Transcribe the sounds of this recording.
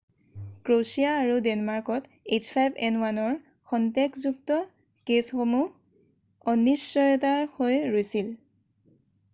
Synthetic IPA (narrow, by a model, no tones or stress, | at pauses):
kɹosiaːɹudɛnmaɹkɔt | ezpʰajbɛnwanɔɹ | xʰɔntekzuk̚tɔ | kesxomu | ɔnːisːɔjɔtahojɹojsil